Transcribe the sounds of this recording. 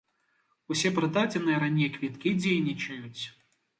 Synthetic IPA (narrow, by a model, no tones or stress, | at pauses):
usʲɛpɾɐd̪ad͡zʲɪnɨjɛɾanʲejkvʲit̪kʲid͡zʲejnʲit͡ʃɐjʊt͡sʲ